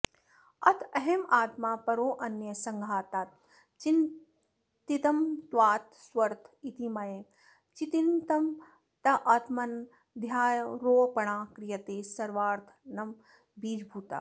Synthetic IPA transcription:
ɐt̪ʰɐɦemaːt̪maːpɐɾoːʔɐnjɐsɐŋɡʱaːt̪aːt̪̚ | t͡ʃin | t̪it̪ɐmt̪waːt̪̚swɐɾt̪ʰit̪imɐje | t͡ʃit̪int̪ɐm | t̪ɐʔɐt̪mɐn | d̪ʱjaːjɾoːpɐɳ̃aːkɾijɐt̪eːsɐɾʋaːɾt̪ʰnɐm | biːd͡ʒbʱuːt̪a̰ː

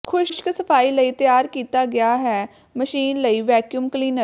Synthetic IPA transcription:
kʰʊʃʃkəsəpʰaːiːləiːt̪jaːɾkiːt̪aːɡɪaːɦɛː | məʃiːnləiːʋɛːkjuːmkliːnəɾ

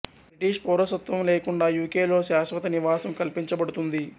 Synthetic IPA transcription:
bɾiʈiːʂpɔːɾɐsɐt̪ʋɐmle̞ːkuɳɖaːjuːkeːlo̞ːʃaːsʋɐt̪ɐniʋaːsɐmkɐlpiɲt͡ʃɐbɐɽut̪und̪i

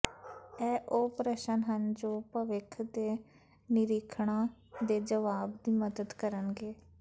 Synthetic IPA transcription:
ɛːʔoːpɾəʃənɦənd͡ʒõːpəʋɪkʰd̪eː | nɪɾɪkʰɳãːd̪eːd͡ʒəʋaːbd̪iːməd̪əd̪kəɾənɡeː

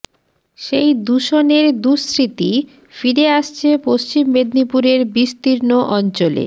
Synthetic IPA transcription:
ʃejd̪uʃoneɾd̪usɾit̪i | fiɾeaʃt͡ɕʰepost͡ɕimːed̪nipuɾeɾbist̪iɾnoʔɔnt͡ɕolḛ

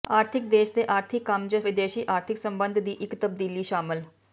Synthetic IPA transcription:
aːɾt̪ʰɪkd̪eːʃd̪eːʔaːɾt̪ʰɪkːəmd͡ʒəʋɪd̪eːʃiːʔaːɾt̪ʰɪksəmbənd̪ʱd̪iːʔɪkt̪əb̚d̪iːliːʃaːmɪl

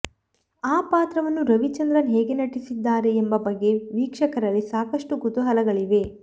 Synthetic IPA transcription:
aːpaːt̪ɾɐʋɐnːuɾɐʋit͡ʃɐnd̪ɾɐnɦeːɡenɐʈisid̪ːaːɾe̞ːmbɐbɐɡːe̞ʋiːkʂɐkɐɾɐlːisaːkɐʂʈuɡut̪uɦɐlɐɡɐɭiʋe̞

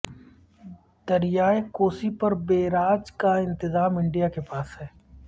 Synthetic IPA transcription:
d̪̥ɐɾɪjaːekoːsipɐɾbeːɾaːd͡ʒkaɪ̃nt̪ɪzaːmɪ̃ɳɖijakepaːsɦɛː

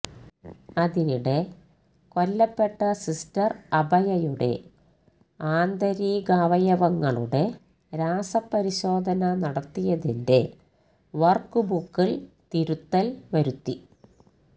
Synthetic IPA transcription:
ɐðiniɽe̞ | ko̞lːɐpːe̞ʈːɐsistɐrɐbʱɐjɐjuɽe̞̰ | aːnd̪ɐɾiːɡaːʋɐjɐʋɐŋːɐɭuɽe̞ | ɾaːsɐpːɐɾiɕo̞ːd̪ʱɐnɐnɐɽɐt̪ːijɐðinde̞̰ | ʋɐrkːɨbukːilt̪iɾut̪ːɐlʋɐɾut̪ːi

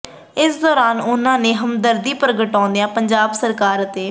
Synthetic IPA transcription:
ɪsd̪ɔːɾaːnʊnãːneːɦəmd̪əɾd̪iːpɾəɡəʈɔ̃ːnd̪ejãːpəɲd͡ʒaːbsəɾkaːɾət̪eː

